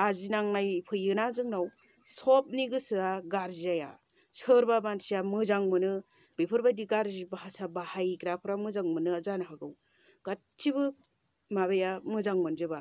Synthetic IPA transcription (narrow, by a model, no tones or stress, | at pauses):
azinaŋnajpʰɯjɯnazɯŋnaw | sɔp̚niɡɯsɯaɡaɾziaja̰ | sʰɯɾbabansijamɯzaŋmɯnɯ | bipʰɯɾbadiɡaɾzibaɦasabahajɡɾapʰɯɾamɯzaŋmɯnɯazanaɦaɡɯw | ɡ̥att͡ʃʰːibɯ | maβajamɯzaŋmɯnzɯba